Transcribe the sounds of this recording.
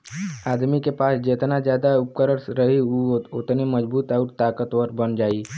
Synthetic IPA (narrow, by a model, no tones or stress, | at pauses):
aːd̪mikepaːsd͡ʒet̪nad͡ʒjaːd̪aʊp̚kəɾəɾsɾəɦiuʊt̪neməd͡ʒbuːt̪aʊɾt̪aːkət̪ʋəɾbənd͡ʒaːi